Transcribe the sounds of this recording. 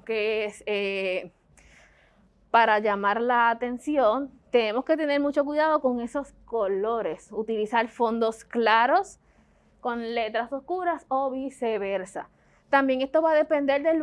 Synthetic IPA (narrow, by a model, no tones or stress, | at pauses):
keese | paɾaʝamaɾlaːt̪e̞nsjo̞nt̪e̞ne̞mo̞ske̞t̪e̞ne̞ɾmut͡ʃo̞k̬wiðað̞o̞ko̞ŋe̞so̞sko̞lo̞ɾe̞sut̪ilisaɾfo̞nd̪o̞sklaɾo̞s | ko̞nle̞t̪ɾaso̞skuɾaso̞βise̞βe̞ɾsa̰ | t̪ambje̞ŋe̞st̪o̞βaðe̞pe̞nd̪e̞ɾd̪e̞l